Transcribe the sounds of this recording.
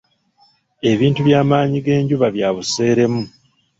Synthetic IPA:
e̞βiːntuβjaːmaːɲiɡe̞ːɲɟuβaβjaːβuse̞ːɾe̞mu

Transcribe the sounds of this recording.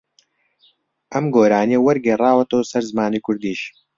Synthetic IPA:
ʔɐmɡoːɾaːnijɐwɐɾɡeːrˤaːwɐt̪ʰɐwsɐɾzɨmaːnikʰʊɾd̪iːʃ

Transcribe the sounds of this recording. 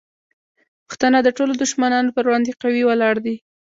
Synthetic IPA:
pʊ̥xt̪ənad̪əʈolod̪ʊʃmanɑnopəɾwɽɑnd̪eqawiwalɑɽd̪i

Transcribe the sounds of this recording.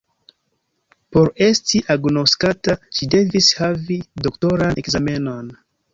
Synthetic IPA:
po̞ɾe̞stiʔaɡnoskataʃide̞vishavidokto̞ɾanekzame̞no̞n

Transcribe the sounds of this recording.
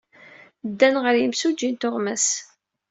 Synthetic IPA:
d̪ːænʁəɾjəmsud͡ʒːint̪ʊʁmæs

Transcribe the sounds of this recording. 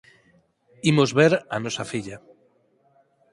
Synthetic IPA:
imozβeɾanosafiʎa

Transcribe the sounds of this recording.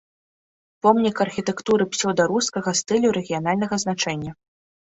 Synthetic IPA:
pɔmnʲikɐrxʲit̪ɛkt̪uɾɨpsʲɔwd̪aɾuskɐɣɐst̪ɨlʲuɾɛɣʲijanalʲnɐɣɐznat͡ʂɛnʲːɐ

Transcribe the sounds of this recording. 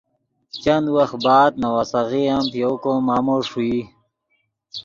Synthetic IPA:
t͡ɕand̪wɐxt̪baːd̪̚nawasaɣiampijokomaːmoʂui

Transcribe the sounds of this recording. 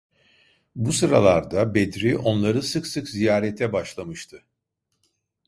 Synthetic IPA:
busɯɾalˠaɾd̪abed̪ɾiʔo̞nlˠaɾɯsɯksɯkzijaːɾɛt̪ʰɛbaʃlˠamɯʃt̪ʰɯ

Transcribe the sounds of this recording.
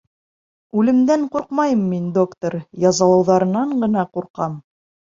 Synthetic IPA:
ʉlɘ̆md̪æɴquɾqmɑjɤmːind̪o̞kt̪oɾjɑzɑlˠɑwðɑɾɤ̆nɑɴɢɤ̆nɑquɾqɑm

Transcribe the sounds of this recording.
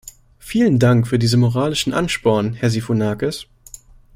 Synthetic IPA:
fiːləndaŋkfyːɐdiːzəmoʁaːlɪʃn̩ʔa̰nʃpɔɐnhɛɐzifonaːkəs

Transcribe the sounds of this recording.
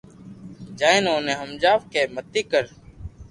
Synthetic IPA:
d͡ʒaːẽːnoːnẽːɦəmd͡ʒaːʋkeːmət̪iːkəɾ

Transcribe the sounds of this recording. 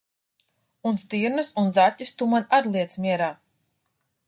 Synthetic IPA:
unst̪iːɾnɨsunzatʲːust̪umanaɾlˠiɛt̪smʲiɛɾaː

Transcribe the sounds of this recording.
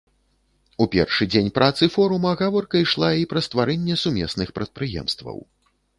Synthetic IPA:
upʲɛ̰rʂɨd͡zʲenʲpɾʔat̪sɨfɔɾumɐɣavɔrkɐiʂlˠaipɾɐst̪vaɾɛnʲːɛsumʲɛsnɨxpɾɐt̪̚pɾɨjɛ̰mst̪vɐ̰w

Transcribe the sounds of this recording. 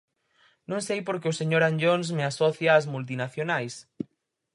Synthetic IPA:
nõŋsejpoɾkeʊseɲoɾanʎons̬measɔθjaːzmult̪̬inaθjonajs

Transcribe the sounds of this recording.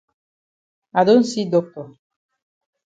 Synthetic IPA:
ad̪onsid̪ok̚t̪o

